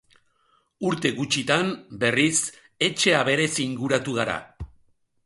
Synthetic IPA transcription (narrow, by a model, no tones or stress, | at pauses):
uɾt̪e̞ɣut͡ʃit̪ambe̞ris | e̞t͡ʃe̞aβe̞ɾe̞siŋɡuɾat̪uɣ̞aɾa̰